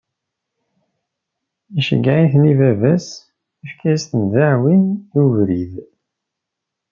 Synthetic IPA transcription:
iʃə̰ɡːaʕiθnivævæs | ifkæst̪ənðaʕwinjuvɾið

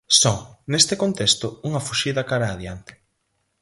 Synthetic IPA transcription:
sɔŋnest̪ɪkont̪est̪ʊuŋɐfuʃiðɐkaɾaːðjant̪ɪ̥

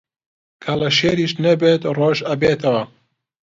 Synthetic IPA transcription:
kʰɐlɐʃeːɾiːʃnɐbeːt̪roːʒɐbeːt̪ʰɐwɐ

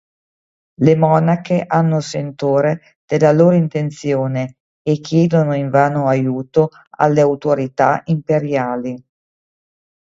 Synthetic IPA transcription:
lemɔːnakeʔanːosent̪oːɾe | d̪̥elːaloːɾoint̪ent̪sjoːne | ekːjɛːd̪onoiɱvaːnoajuːt̪o | a̰lːeawt̪oɾit̪a̰ʔimpeɾjaːli

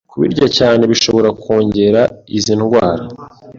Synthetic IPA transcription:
kuβḭɾɟacaːne̞βiʃo̞βo̞ɾako̞ːɲɟe̞ɾaizinɡwaːɾa

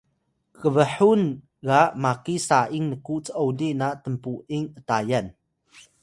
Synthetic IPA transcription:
kəbəħun | ɣaʔmakisaʔiŋnəkuʔt͡səʔɔwliʔnaʔt̪əmpuʔʔiŋʔət̪ajɐn

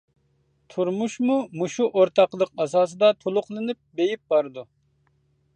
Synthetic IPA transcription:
t̪ʰuɾmuʃmumuʃuʔoɾt̪ʰɑqlˠəq̚ɑsɑːs̬ɨd̪ɑt̪ʰolˠʊqlˠɨnɨp̚bejip̚bɑɾɨd̪u

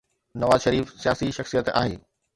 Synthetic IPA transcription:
nɐʋaːzʃəɾiːfsijaːsiʃɐxsijət̪a̰ːɦeː

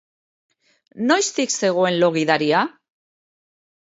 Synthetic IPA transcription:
no̞jst̪ikse̞ɣ̞o̞e̞nlo̞ɣiðaɾia

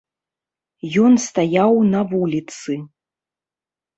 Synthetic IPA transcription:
jɔnst̪ajawnɐvulʲit̪sɨ

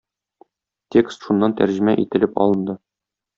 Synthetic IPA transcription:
t̪ʲekst̪ʃunːɑnt̪æɾʑɘ̆mæʔit̪ɘ̆lɘpɒ̰lˠɤ̆nd̪ɤ

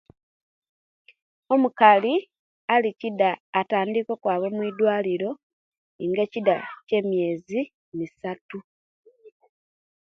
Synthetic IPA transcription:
o̞mukali | alicidaːtaːndikwo̞kwaːβo̞mwiːdwaːliɾo̞ | iŋɡecidace̞ːmje̞ːzi | nisatu

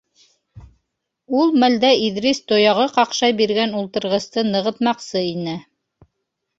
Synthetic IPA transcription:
ulˠmæld̪æiðɾist̪ojɑʁɤqɑqʃɑjbiɾɡænulˠt̪ɤ̆ɾʁɤ̆st̪ɤnɤ̆ʁɤ̆t̪mɑqsɤinɘ

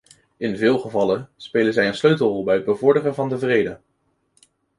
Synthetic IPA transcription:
ɪnvɪːlˠχəvɑləspejlənzɛjənsløɥtəl̩ˠrɔlˠbɛjəd̚bəvʊɹdərəvɑndəvrejdə

